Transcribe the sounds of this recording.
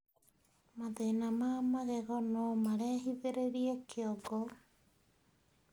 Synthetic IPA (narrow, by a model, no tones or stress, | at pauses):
maðenamamaɣeɣɔnomaɾɛːɦiðeɾeɾiekʰeoɡɔ